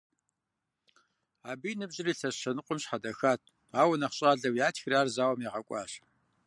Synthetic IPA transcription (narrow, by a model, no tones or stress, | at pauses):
aːbiːnɨbʑɪriːɬɐɕɐnɨqʷʼʊmɕħadɐxaːt̚ʰ | aːwɐnɐχɕʼaːɮɐwjaːtʰxraːrzaːwɐmiːʁɐkʷʼɑ̰ːɕ